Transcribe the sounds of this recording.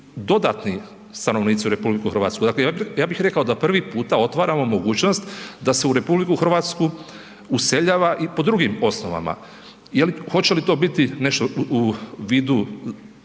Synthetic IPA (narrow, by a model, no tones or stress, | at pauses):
d̪o̞d̪aːt̪ni | st̪ano̞ʋniːt̪siuɾe̞publikuxɾr̩ʋa̰ːt̪skud̪akleajaːbixɾe̞kao̞d̪apr̩ʋipuːt̪ao̞t̪ʋaːɾamo̞mo̞ɡuːt͡ɕnost̪d̪ase̞uɾe̞publikuxr̩ʋaːt̪sku | use̞ʎaːʋaʔipo̞d̪ɾuɡimo̞snoʋa̰ma̰ | jelixo̞t͡ɕe̞lit̪o̞ːbit̪ine̞ʃt̪ouʋiːd̪u